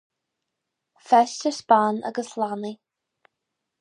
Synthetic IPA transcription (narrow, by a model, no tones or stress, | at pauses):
fɛʃtəspanə̰ɡəslani